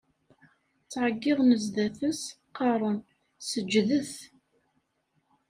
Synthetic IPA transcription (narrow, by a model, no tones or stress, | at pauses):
t͡sːʕəɡːɪðˤnəzðæθəsqːɑɾˤən | səd͡ʒːðəθ